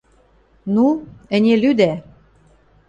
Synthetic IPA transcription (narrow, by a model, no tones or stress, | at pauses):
nuə̆nʲelyd̪æ